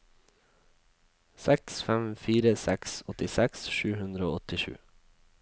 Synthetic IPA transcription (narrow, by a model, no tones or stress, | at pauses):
sɛksfɛmfiːɾəsɛksɔt̪ɪsɛksʃʉːhʉnd̪ɾəo̰ːɔt̪ɪʃʉ̰ː